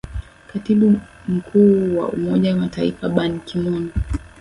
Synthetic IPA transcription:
katiɓu | m̩kʰuːwa̰ṵmɔʄawamatʰaifaɓankʰimɔni

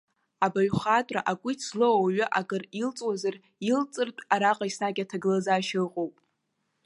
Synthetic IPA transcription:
abaɥχatʼra̰ʔakʷʼʊt͡sʰlɨwawaɥʊʔaɡɨrilt͡sʼwazar | ilt͡sʼɨrtʼaɾaqʼaisnaɡʲatʰaɡɨlazaːʃɨrqʼowpʼ

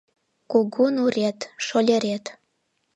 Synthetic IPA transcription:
kuɡunuret̪ʃolʲeɾet̪

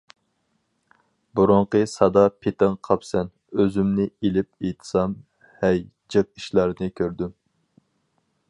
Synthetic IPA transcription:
buɾʊɴqəsɑd̪ɑpʰet̪ɪŋqʰɑpsɛn | øzymnɪelɪp̚et̪ʰsɑm | hɛj | d͡ʒɨq̚iʃlɑɾnɪkʲʰøɾd̪ym

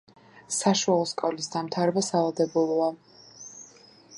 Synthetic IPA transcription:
saʃualˠɔskʼavlisd̪amt̪ʰaɾɛbasalad̪ɛbulˠɔa

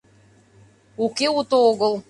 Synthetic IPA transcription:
ukeut̪ooɣə̆lˠ

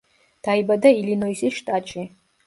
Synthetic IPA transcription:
d̥ajbadailinojziʃtʼat͡ʃʼi

